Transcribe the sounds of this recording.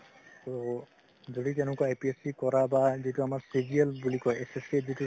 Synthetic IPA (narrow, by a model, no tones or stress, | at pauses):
to | zoditẽnʊkɔajpiesikɔɹabaziɦtuamaɹsiziɛlbulikɔjesesezitu